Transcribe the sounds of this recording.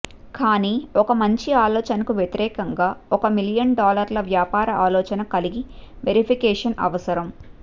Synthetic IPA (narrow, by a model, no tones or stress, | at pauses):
kaːniːɔkɐmɐɲt͡ʃiaːlɔːt͡ʃɐnɐkuʋjet̪iɾɛːkɐŋɡaːɔkɐmiljɐnɖaːlɐɾlɐʋjaːpaːɾɐʔaːlɔːt͡ʃɐnɐkɐliɡiʋeɾipʰikɛːʂɐnɐ̰ʋɐsɐɾɐm